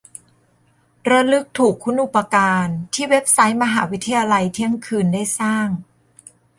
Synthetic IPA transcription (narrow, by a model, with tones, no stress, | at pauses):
ɾa˧lɯ˦˥k̚t̪ʰuː˨˩kʰːu˧˥nʔu˨˩pa˧kaː˧nt̪ʰiː˥˩we˦˥p̚sa˦˥jma˧ɦaː˩˦wi˦˥t̪ʰa˧jaː˧la˧jt̪ʰi˦˥˩əŋkʰɯː˧ndaː˥˩jsaː˥˩ŋ